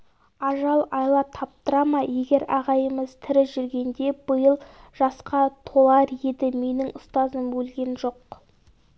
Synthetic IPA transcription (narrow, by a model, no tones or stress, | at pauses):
ɑʒɑlˠɑjlˠɑt̪ʰɑp̚t̪əɾɑmɑje̞ɡʲe̞ɾɑʁɑjəməzt̪ʰɪɾɪʒʏɾɡʲe̞nd̪e̞bəjəlˠʒ̥ɑsqɑt̪ʰo̞lˠɑɾje̞d̪ɪme̞nɪŋʊst̪ɑzəmbɵlɡʲe̞nʒo̞q